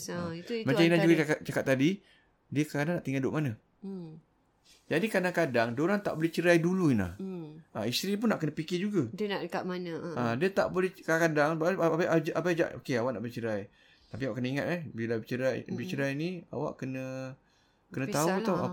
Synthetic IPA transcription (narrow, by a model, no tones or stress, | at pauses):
maɲt͡ʃainad͡ʒuɡaaat͡ʃakat̪ːadi | diəkadaŋnaʔt̪iŋɡaldoʔmanə | d͡ʒadikadaŋkadaŋdoɾaŋt̪a̰ʔbolɛht͡ʃəɾajduluinla̰aist̪ɾip̬ʊnːaʔkənəpikɪd͡ʒuɡadənaʔəkaʔmanəadiət̪aʔbolɛhkaakadaŋbaaʔad͡ʒʔapajd͡ʒa̰ʔo̰keawaʔna̰ʔbolɛt͡ʃəɾaj | t̪apiawaʔkənəiŋat̪̚ɛhbilabit͡ʃəɾajbit͡ʃəɾajnia̰wa̰ʔkənə | kənət̪aut̪awa̰